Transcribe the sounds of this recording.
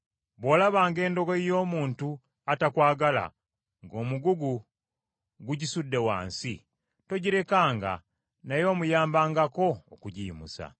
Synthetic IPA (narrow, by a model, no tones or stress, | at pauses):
βo̞ːlaβaːŋɡe̞ːndo̞ɡoijo̞ːmuːntu | atakwaːɡala̰ | ŋɡo̞ːmuɡuɡu | ɡuɟisudːe̞wa̰ːnsḭ | to̞ɟiɾe̞kaːŋɡa̰ | najo̞ːmujaːmbaːŋɡako̞̰ːkuɟḭːmusa̰